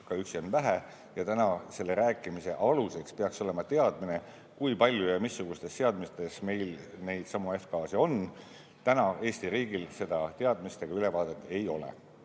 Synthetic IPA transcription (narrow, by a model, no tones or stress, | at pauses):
kɑyksionvæɦe | jɑt̪ænɑse̞lːe̞ɾæːkːˑimise̞ʔɑluse̞kspe̞ɑkso̞le̞mɑt̪e̞ɑd̪̥mine̞ | kujpɑlʲːjujɑmisːuɡ̥ust̪e̞st̪e̞ɑd̪mit̪e̞sme̞jlne̞jd̪̥sɑmue̞fkɑːsio̞n | t̪ænɑe̞ːst̪iɾiːɡ̥ilse̞d̪̥ɑt̪e̞ɑd̪mist̪e̞ɡ̥ɑyle̞vɑːd̪̥e̞t̪ːˑe̞jo̞lḛ